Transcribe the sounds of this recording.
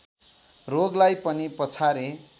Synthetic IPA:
roɡlajpʌnipʌt͡sʰaɾe

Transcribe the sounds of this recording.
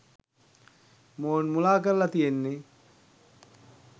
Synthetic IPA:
moːnmulaːkəɾlat̪ijenːe

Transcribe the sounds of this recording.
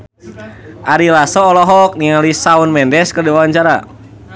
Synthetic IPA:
ʔaɾilasɔːlɔɦɔk̚niŋalisaunmɛndɛskərdiwawaɲt͡ʃaɾa̰

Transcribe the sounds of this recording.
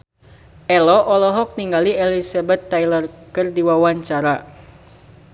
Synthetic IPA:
ʔɛlɔʔɔlɔɦɔk̚niŋɡaliɛlisabɛt̪ːajlərkɨrdiwawaɲt͡ʃaɾa

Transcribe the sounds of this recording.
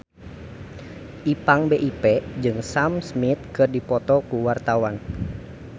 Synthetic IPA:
ʔipaŋbeʔipɛd͡ʒɨŋsamsmit̪̚kɨrdipɔt̪ɔkuwart̪awan

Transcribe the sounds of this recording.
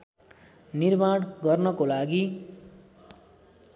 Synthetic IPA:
nirmaɽɡʌrnʌkolaɡi

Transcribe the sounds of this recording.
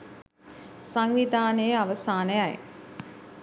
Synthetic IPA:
saŋʋid̪ʱaːnəjəaʋəsaːnəjaj

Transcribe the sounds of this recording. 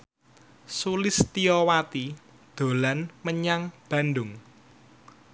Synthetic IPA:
sulɪst̪iɔwat̪i | d̪̥o̤lanməɲaŋb̥ä̤nɖʊŋ

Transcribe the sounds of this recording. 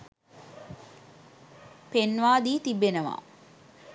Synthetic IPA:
penʋaːd̪iːt̪ibːenəʋa̰ː

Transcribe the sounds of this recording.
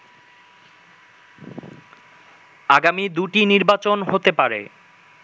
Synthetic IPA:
aɡamid̪uʈiniɾbat͡ɕonɦot̪epaɾḛ

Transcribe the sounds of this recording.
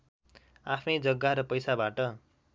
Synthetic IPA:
apʰnʌjd͡zʌɡːaɾʌpʌjsabaʈʌ

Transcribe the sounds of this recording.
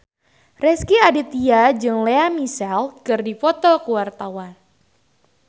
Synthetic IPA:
rɛskiadit̪iad͡ʒɨŋleamisɛlkɨrdifɔt̪ɔkuwart̪awan

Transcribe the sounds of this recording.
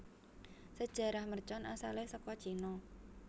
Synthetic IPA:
səd̥ʒ̥a̤ɾahmərt͡ʃɔnʔasalehsɔkɔd̥ʒ̥inɔ

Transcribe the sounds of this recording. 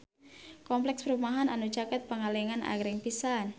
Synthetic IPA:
kɔmplɛkspəɾumaɦananud͡ʒakat̪̚pəŋalɛŋanʔa̰ɡɾɪŋpisan

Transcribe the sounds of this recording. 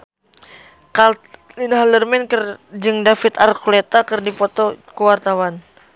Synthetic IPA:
kalt̪ | linaɦlərmɛnkərd͡ʒɨŋdafit̪arkulet̪akɨrdipɔt̪ɔkəwart̪awan

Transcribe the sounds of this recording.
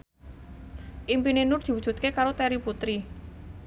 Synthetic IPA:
ʔimpinenʊrd̪̥i̤wud̥ʒ̥ṳt̪̚kekaɾot̪ɛɾiput̪ɾi

